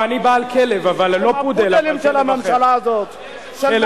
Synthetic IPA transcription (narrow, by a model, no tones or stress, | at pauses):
anibaːlkʰelevavallopud̪ellimʃelamamʃalaːzot̪ | ʃe